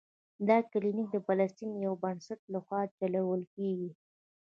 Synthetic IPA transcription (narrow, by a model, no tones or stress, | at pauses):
d̪ɑkalinik̚d̪əpalast̪injawbənsaʈ̚laxwɑt͡ʃalawəlkeɡi